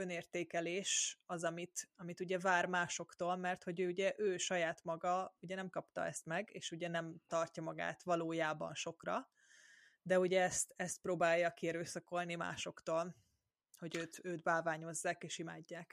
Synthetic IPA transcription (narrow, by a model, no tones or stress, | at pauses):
øneːrt̪eːkɛleːʃɒzɒmit̪ɒmit̪uɟɛvaːrmaːʃo̞kt̪oːlmɛrt̪ho̞ɟøːuɟɛʔøːʃɒjaːt̪mɒɡɒuɟɛnɛmkɒpt̪ɒ̰ɛst̪mɛɡḛːʃuɟɛnɛmt̪ɒrcɒmɒɡa̰ːt̪vɒloːjaːbɒ̰nʃo̞krɒ | d̪ɛuɟɛɛst̪ɛst̪̚proːbaːjːɒkiɛɾøːsɒko̞lnima̰ːʃo̞kt̪oːl | ho̞ɟøːt̪øːt̪baːvaːɲo̞zːaːkeːʃima̰ːɟːaːk